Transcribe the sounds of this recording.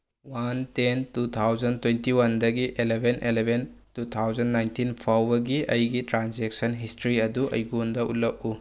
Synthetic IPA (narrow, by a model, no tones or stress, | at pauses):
wantentut̪ʰawd͡ʒɐntwentiwɐndɐɡiʔelebʱenʔelebʱentut̪ʰawzɐnːajntinpʰawbɐɡiɐjɡitɾanzek̚sɐnɦistɾiɐduʔɐ̰jɡundɐʔṵlɐk̚u